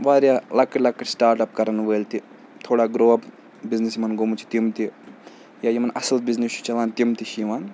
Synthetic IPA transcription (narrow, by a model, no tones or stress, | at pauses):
ʋaːɾjaːlɐkːɐʈlɐkːɐʈsʈaːɾʈɐpkɐɾɐnʋeːlt̪i | t̪ʰoːɽaːɡɾoːɐp | biznisimɐnɡomut͡ʃʰi̥t̪imt̪i | jaːjimɐnɐsɐlbiznist͡ʃʰu̥t͡ʃɐlaːnt̪imt̪iʃiʋan